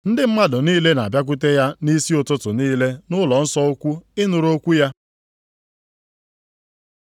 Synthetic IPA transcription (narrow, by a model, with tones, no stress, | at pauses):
n̩˦dɪ˦m̩˦ma˦dʊ˨niː˦le˦na̰˨bja˦k̬ʊ˦te˦ja˦ni˦si˦o˨tʊ˦tʊ˨niː˦le˦nʊ˦lɔ˨n̩˦sɔ˦o˦kʷu˦ɪ˦nʊ˨ɾo˦kʷu˦ja˦